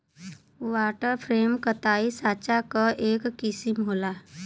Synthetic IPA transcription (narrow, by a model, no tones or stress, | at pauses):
waːʈəɾpʰɾeːmkət̪aːisaːt͡ʃakaʔeːkːɪsimɦoːlaː